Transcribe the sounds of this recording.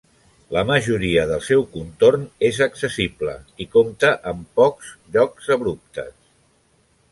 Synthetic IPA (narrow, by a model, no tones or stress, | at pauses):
ləməʒuɾiəðəlˠsɛwkunt̪ornezəksəsiblə̰ikomt̪əʔəmpɔkzʎɔkz̥əβɾup̚t̪ə̰s